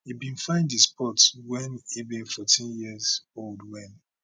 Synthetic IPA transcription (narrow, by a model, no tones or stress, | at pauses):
hibĩnfãɪ̃ndispʰɔtwɛ̃nibĩnfɔtʰĩnjizoldwɛ̃n